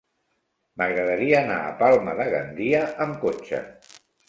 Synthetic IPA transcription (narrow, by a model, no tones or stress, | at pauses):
məɣɾəðəɾiəːnaə̰palˠməðəɣənd̪iəʔəmkot͡ʃə̰